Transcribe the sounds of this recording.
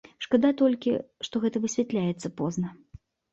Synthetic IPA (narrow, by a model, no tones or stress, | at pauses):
ʂkad̪at̪ɔlʲkʲḭʂt̪ɔɣɛt̪ɐvɨsʲvʲɛt̪lʲajɛt̪sːɐpɔznɐ